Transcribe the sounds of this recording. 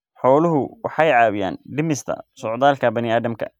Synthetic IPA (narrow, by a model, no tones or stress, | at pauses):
ħɔːlʊɦʊwɑħɑjʕɑːwɪja̰ːnɖɪmɪst̪ʰɐ̰sɔʕd̪aːlkʰɐbɐnɪaːðɐmkʰɐ̰